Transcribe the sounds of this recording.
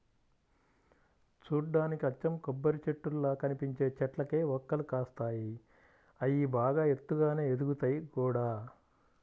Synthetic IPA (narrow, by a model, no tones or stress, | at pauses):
t͡ʃuːɖaːnikiɐt͡ʃːɐmkɔbːɐɾit͡ʃeʈːulːɐkɐnipiɲt͡ʃe̞ːt͡ʃɛʈlɐkeːʋɔkːɐlukaːst̪aːji | ɐjibaːɡaːe̞t̪ːuɡaːne̞ːed̪uɡut̪ɐjikuːɽaː